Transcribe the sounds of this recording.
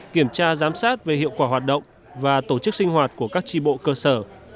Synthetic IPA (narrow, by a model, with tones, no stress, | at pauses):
ki˧˩əmt͡ɕaː˧zaː˨˦msaː˦˥t̚ve˨˩hḭ˧˨əwkwaː˧˩ɦwaː˨˩t̚ɗə̰˧˨wŋ͡m | vaː˨˩t̪o˧˩t͡ɕɨ˦˥k̚si˧ŋ̟ɦwaː˨˩t̚ku˧˩əkaː˦˥k̚t͡ɕi˧ɓo̰˧˨kəː˧səː˧˩